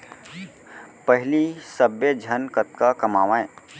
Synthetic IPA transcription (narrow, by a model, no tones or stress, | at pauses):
pəɦlisəbjəd͡ʒʱənkət̪̚kakəmaːʋãẽ